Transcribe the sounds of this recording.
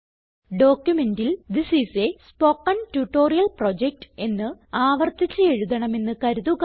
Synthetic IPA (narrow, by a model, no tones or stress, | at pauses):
ɖo̞ːkjume̞ndild̪isisespo̞ːkːɐntuʈːo̞ːrijɐlprod͡ʑek̚ʈe̞nːɨaːʋɐrt̪it͡ɕːɐe̞ɻuðɐɳɐme̞nːɨkɐɾuðuɣ